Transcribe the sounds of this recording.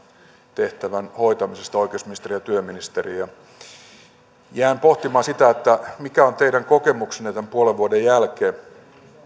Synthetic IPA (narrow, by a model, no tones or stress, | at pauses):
t̪eht̪æʋænhoit̪ɑmisest̪ɑoikeusminist̪erijɑt̪yøminist̪erijɑ | jæːmpoht̪imɑːsit̪æet̪ːæmikæont̪eidæŋkokemuksenːet̪æmpuoleʋʋuodejjælkeː